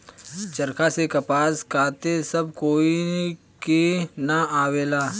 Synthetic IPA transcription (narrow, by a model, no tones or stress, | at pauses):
t͡ʃɐɾkasekɐpaːskaːt̪esɐb̚koːi | kinaaːweːlaː